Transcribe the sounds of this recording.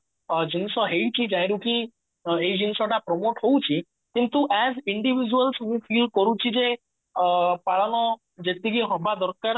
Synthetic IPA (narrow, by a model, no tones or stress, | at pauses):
d͡ʒinsɔɦejt͡ʃʰid͡ʒãj̃ɾukĩ | ejd͡ʒinsɔʈapɾɔmoʈɦowt͡ʃʰi | kint̪uʔɛd͡ʒiɳɖibid͡ʒuəlsmũpʰilkɔɾut͡ʃʰid͡ʒe | paɭɔnɔ | d͡ʒet̪iɡiɦɔbad̪ɔɾkaɾ